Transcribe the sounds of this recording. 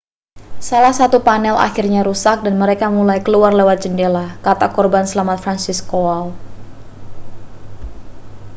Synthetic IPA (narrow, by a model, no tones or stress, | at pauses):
salahsat̪upanɛlʔa̰xirɲaɾusak̚danməɾekamulajkəluarlewat̪̚d͡ʒəndelakat̪akɔrbansəlamat̪̚fɾansiskoal